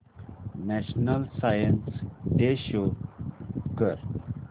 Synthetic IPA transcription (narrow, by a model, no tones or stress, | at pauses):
nɛʃnəlsajənsɖeʃo | kəɾ